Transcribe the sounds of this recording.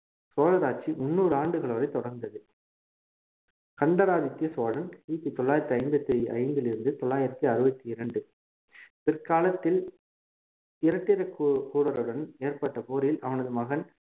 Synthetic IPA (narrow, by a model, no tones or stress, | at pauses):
soːɻɐɾaːt͡ʃimʊnːuːɾɯaːɳɖɯɣɐɭɐʋɐɾɐɪt̪ɔɽɐɾnd̪ɐðɯ | kɐɳɖɐɾaːðɪt̪ːiɐsoːlɐnsiːt̪ːit̪ɔɭːaːjɪɾɐt̪ːiɐɪnbɐt̪ːiɐ̰ɪnd̪ɪlɪɾɯnd̪ɯt̪ɔɭːaːjɪɾɐt̪ːiɐɾɯbɐt̪ːiɪɾɐɳɖɯ | pɪrkaːlɐt̪ːɪl | ɪɾɐʈːɪɾɐkkuːɽɐɾɯɽɐneːrpɐʈːɐpoːɾjɪlʔɐ̰ʋɐnɐðɯmɐɣɐn